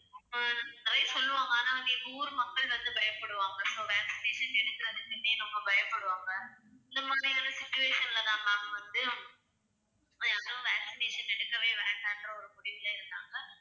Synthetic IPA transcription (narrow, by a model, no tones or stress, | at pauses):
nɐt̪ɾɐɪsɔlːɯʋaːŋɡaːnɐːnĩːuːɾɯmɐkːɐɭʋɐnd̪ɯbɐjɐpːɐɽɯʋaːŋɡɐsoːʋaːksɪneːʂɐnɛɽɯkːɯɾɐðɯkːɯnːeːnɐmːɐbɐjɐpːɐɽɯʋaːŋɡɐɪnd̪ɐmaːd̪ɾiaːnɐsɪt͡ʃːʊʋeːʂɐnɪlɐt̪ãːpaːŋɐʋɐnd̪ɯ | jaːɾɯ̃ːʋæːksɪneːʂɐnɛɽɯkːɐʋeːʋeːɳɖaːɛndrɐɔɾɯpʊɽɪʋɪlaːɪɾɯnd̪aːŋɡɐ